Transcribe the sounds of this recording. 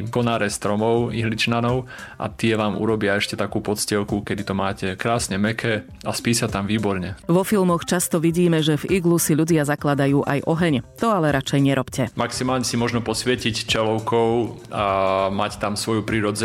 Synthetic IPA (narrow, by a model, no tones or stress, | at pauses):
kɔnaːɾɛst̪ɾɔmɔʊḭɦlit͡ʃnanɔʊ | ʔa̰t̪ɪɛʋaːmṵɾɔbɪaɛʃcɛt̪akuːpɔt̪t͡scɪɛlkukɛd̪it̪ɔmaːcɛkɾaːsɲɛmɛkʰɛ | aspiːsat̪amʋiːbɔɾɲɛʋɔfilˠmɔxt͡ʃast̪ɔʋiɟiːmɛʒɛviɡlusiʎuɟɪazaklad̪ajuːʔajʔɔɦɛɲt̪ɔalɛɾʔat͡ʃɛjɲɛɾʔɔpcɛmaksimaːlɲɛsimɔʒnɔpɔsʋɪɛcict͡ʃɛlɔʊkʰɔʊamact̪amsʋɔjupɾiːɾɔd͡zɛ